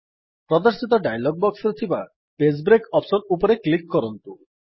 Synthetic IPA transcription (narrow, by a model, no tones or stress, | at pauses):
pɾɔd̪ɔɾsit̪ɔɖajlɔɡ̚bɔksɔɾet̪ʰiba | pes̬bɾekɔpsɔnupɔɾeklikːɔɾɔnt̪u